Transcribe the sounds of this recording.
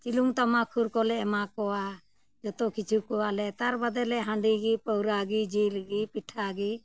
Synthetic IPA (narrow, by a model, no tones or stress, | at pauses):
t͡ʃiluŋt̪amakʰuɾkɔlɛɛmakɔwa | d͡ʒɔt̪ɔkit͡ʃʰukɔwalɛt̪aɾbad̪ɛlɛɦãɳɖiɡipəwɾaɡid͡ʒilɡipiʈʰaɡi